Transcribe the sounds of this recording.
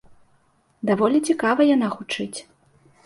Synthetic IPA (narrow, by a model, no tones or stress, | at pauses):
d̪avɔlʲit͡sʲikavɐjanaxut͡ʂɨt͡sʲ